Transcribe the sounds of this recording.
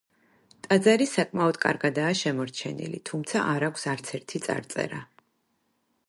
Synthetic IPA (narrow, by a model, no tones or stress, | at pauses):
t̪ʼad̪zaɾisakʼmaɔd̪kʼa̰ɾɡad̪aːʃɛmɔɾt͡ʃʰɛnḭlḭt̪ʰumt̪sʰaʔaɾakʷʰsaɾt̪sʰɛɾt̪ʰit̪sʼa̰ɾt̪sʼɛ̰ɾa